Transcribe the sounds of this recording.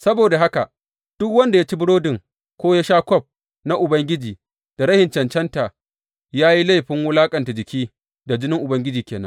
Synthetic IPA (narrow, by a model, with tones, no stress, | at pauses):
sɐ˦boː˨da˨ɦa˦ka˨ | d̥ʊ˦kwɐ˦nda˨ja˦t͡ʃi˦bɪ˦ɽoː˦dɪ˨ŋ | kʷoː˦ja˦ʃaː˦kʷɔ˦p̚ | na˦ʔʊ˨bɐ˦ŋɡʲɪ˦d͡ʒiː˨ | d̥a˨ɾɐ˦hɪ˨nt͡ʃɐ˨nt͡ʃɛ˦nta˨ | jaː˦ji˦la˦˨ɸɪ˦ŋwʊ˦laː˦kʼɐ˨nta˨d͡ʒɪ˨kʲʰiː˦ | da˨d͡ʒɪ˦nɪ˦ŋʔʊ˨bɐ˦ŋɡʲɪ˦d͡ʒiː˨kʲeː˨nɐ̰˦ŋ